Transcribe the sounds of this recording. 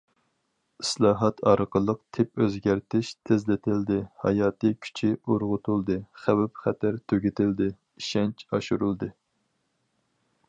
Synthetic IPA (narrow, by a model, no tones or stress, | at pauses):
islˠɑːɦɑt̪ʰɑɾqəlˠːəq̚t̪ʰɪpøzɡʲæɾt̪ʰɪʃt̪ʰɪzlɪt̪ʰɪld̪ɪhɑ̰jɑːt̪ɨkʲʰy̥t͡ʃʰɪoɾʁʊt̪ʰulˠd̪ɨχæwɛp̚χæt̪ʰæɾt̪ʰøɡʲɪt̪ʰɪld̪ɪ | iʃɛnt͡ʃʰɑʃuɾulˠd̪ɨ